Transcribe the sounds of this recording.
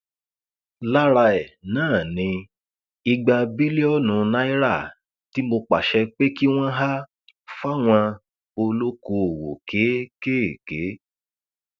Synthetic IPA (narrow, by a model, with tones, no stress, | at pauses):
la˦ɾa˧ɛ˨nãː˦˨nĩ˨˧ | i˧ɡ͡ba˧bi˦li˦ɔ˦nũ˨˧nã˦i˦ɾa˦˨ | ti˦mo˧k͡pa̰˨ʃɛ˧k͡pe˦ki˦w̃ɔ̃˦ɦa˦ | fa˦w̃ã˧ | o˧lo˦ko˧o˨wo̰˨ke˨˦ke˦˨ke˨˦